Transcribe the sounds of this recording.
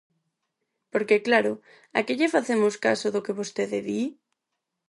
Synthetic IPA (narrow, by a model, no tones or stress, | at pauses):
poɾkeklaɾʊ | a̰keʎefaθemʊskasʊðʊkeβost̪eðeði